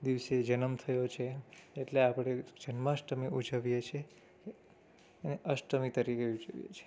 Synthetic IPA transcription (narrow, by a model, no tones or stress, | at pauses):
d̪iʋsed͡ʒənəmt̪ʰəjot͡ʃʰeːʈleapəɽ̃ed͡ʒənmaʃʈəmiud͡ʒəʋijet͡ʃʰe | əneʔəʃʈəmit̪əɾikeud͡ʒəʋjḛt͡ʃʰe̥